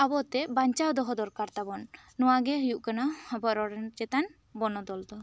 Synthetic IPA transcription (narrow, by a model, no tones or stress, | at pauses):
abɔt̪ebaɲt͡ʃad̪ɔɦɔd̪ɔɾkaɾt̪abɔnː | uaɡejuʔkanabɔɾɔɾent͡ʃet̪an | bɔnɔd̪ɔlt̪ɔ